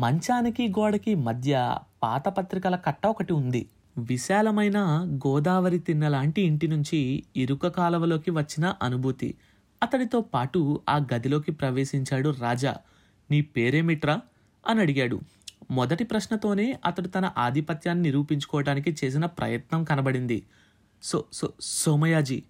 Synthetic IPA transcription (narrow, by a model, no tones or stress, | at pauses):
mɐɲt͡ʃaːnikiɡɔːɽɐkimɐd̪ʱjɐpa̰ːt̪ɐpɐt̪ɾikɐlɐkɐʈːɐɔkɐʈiund̪ḭ | ʋiʃaːlɐmɐjnɐɡɔːd̪aːʋɐɾit̪inːɐlaːɳʈiːɳʈinuɲt͡ʃiːɾukɐkaːlɐʋɐlo̞ːkiʋɐt͡ʃːinɐʔɐnubʱut̪ḭ | ɐt̪ɐɽit̪oːpaːʈuaːɡɐd̪ilo̞ːkipɾɐʋeːʃiɲt͡ʃaːɽuɾaːd͡ʒa̰ː | niːpeːɾeːmiʈɾɐ | ɐnɐɽiɡaːɽṵ | mɔd̪ɐʈipɾɐʃnɐt̪o̞ːne̞ːʔɐt̪ɐɽut̪ɐnɐʔaːd̪ʱipɐt̪jaːnːiniɾuːpiɲt͡ʃu̥kɔːʋɐɽaːnik̬it͡ʃe̞ːs̬inɐpɾɐ̰jɐt̪nɐmkɐnɐbɐɽind̪ḭ | sososoːmɐjaːd͡ʒi